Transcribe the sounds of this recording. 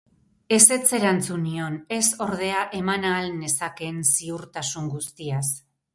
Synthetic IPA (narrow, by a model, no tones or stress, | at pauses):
e̞se̞t͡se̞ɾant͡sunio̞ne̞so̞ɾð̞e̞aʔe̞manaːlne̞sake̞nsiuɾt̪asuŋɡust̪ias